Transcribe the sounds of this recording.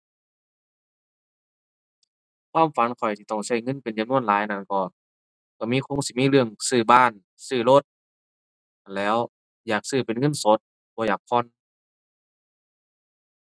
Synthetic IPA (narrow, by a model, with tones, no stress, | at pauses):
kʰwaː˧˥˨mfa˨˦nkʰɔ˨˩jt̪ʰi˧t̪ɔ˧˩ŋsa˧˩jŋɤ˧˥˨npe˨nt͡ɕa˨mnu˧˥ə˨nlaː˨˦jna˧˨nkɔː˧˩ | ka˧˩miː˧˥˨kʰo˧˥˨ŋsiː˧˦miː˧˥˨lɯ˧˩əŋsɯː˧˩baː˧˩˨n | sɯː˧˩lo˧˩t̪̚ | lɛː˦˧˥w | jaː˨˩k̚sɯː˧˩pe˨nŋɤ˧˥˨nso˧˦˥t̪̚ | bɔː˧˦jaː˨˩k̚pʰɔ˧˥˨n